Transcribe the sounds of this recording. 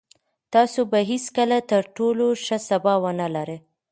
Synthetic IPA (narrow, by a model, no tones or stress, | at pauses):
t̪ɑsobaɦeskəlat̪əɾʈoloʃasabɑwanalaɾe